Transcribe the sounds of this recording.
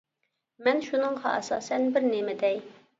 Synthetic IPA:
mɛnʃunɨŋʁɑ̰ʔɛsɑːsɛnbɪɾnemɪd̪ɛj

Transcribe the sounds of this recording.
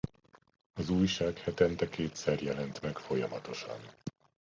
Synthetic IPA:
ɒzuːjʃaːkhɛt̪ɛnt̪ɛkeːt̪sɛrjɛlɛnt̪mɛkfo̞jɒmɒt̪o̞ʃɒ̰n

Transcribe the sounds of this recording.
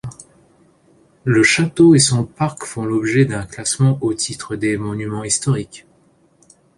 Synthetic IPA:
ləʃat̪oesɔ̃paʁkfɔ̃lɔbʒɛd̪ɛ̃klasmɑ̃ʔot̪ʰit̪χəd̪emɔnymɑ̃ist̪ɔʁik

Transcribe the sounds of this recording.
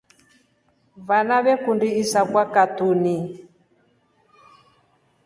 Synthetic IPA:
βanaβɛkundiːsakwakat̪uni

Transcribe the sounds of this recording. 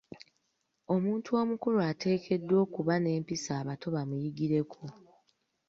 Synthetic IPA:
o̞muːntuo̞ːmukuluate̞ːkʰe̞dːwo̞ːkuβane̞ːmpisaːβatʰo̞βamujiɡiɾe̞kʰo

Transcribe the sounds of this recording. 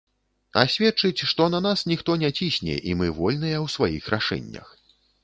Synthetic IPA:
a̰sʲvʲɛtt͡ʂɨt͡sʲʂt̪ɔnɐnasnʲixt̪ɔnʲɛt͡sʲisʲnʲɛ̰ʔimɨvɔlʲn̪ɨjɛwsvajḭxɾaʂɛ̰nʲːɐ̰x

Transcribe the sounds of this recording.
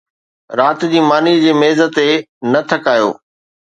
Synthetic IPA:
ɾaːt̪d͡ʑiːmaːnid͡ʑeːmeːzət̪enɐt̪ʰɐkaːjo̰ː

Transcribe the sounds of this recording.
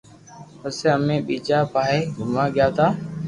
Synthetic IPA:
pəseːəmẽːɓiːd͡ʒaːpaːɦeːɡʱʊmaːɠɪjaːt̪aː

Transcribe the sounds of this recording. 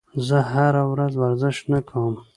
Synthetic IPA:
zəɦaɾawɾazwaɾzɪʃnakʰawəm

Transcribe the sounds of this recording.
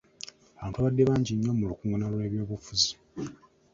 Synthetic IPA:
aβaːntuaβadːe̞βaːɲɟiɲːo̞mulukuːŋɡunalule̞ːβjo̞ːβufuzi

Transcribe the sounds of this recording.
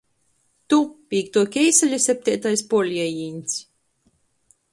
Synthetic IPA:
t̪upʲiːkt̪uɔkʲɛjsalʲasʲɛp̚ʲt̪ʲiːt̪ajspɔlʲiɛjiːnʲsʲ

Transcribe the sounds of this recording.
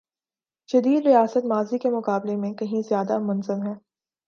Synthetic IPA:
d͡ʒɐd̪iːd̪ɾijaːsət̪maːzikemʊqaːblemẽkɐɦĩzjaːd̪amɐnzəmɦɛː

